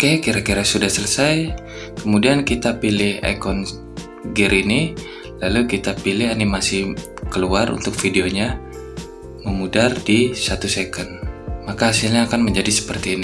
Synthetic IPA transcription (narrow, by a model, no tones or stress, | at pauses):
kajakiɾakiɾasudahsələsaj | kəmudiankit̪apilɪha̰jkɔn | ɡiɾini | lalukit̪apilɪɦanimasɪh | kəluarʔṵnt̪ʊk̚fideoɲa | məmudardisat̪usekənmakahasilɲaːkanməɲd͡ʒadisə̥pərt̪iːni